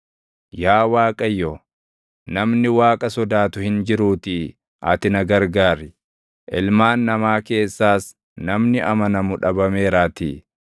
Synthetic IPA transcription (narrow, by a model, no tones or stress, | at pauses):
jaːwaːkʼɐjːɔ | nɐmnɪwaːkʼɐsɔd̪aːt̪ʊhɪnd͡ʒɪɾuːt̪ɪ | ʔɐ̰t̪ɪnɐɡɐɾɡaːɾɪ | ʔɪlmaːnːɐmaːke̞ːsːaːs | nɐmnɪʔɐmɐnɐmʊᶑɐbɐme̞ːɾaːt̪ɪ